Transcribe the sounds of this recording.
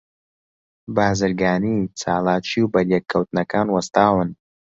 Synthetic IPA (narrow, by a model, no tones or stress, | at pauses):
baːzɨɾɡaːniːt͡sʰaːlˠaːt͡ʃʰiwbɐd̪jɛkʰːɐwt̪nɐkaːnwɐst̪aːwɨn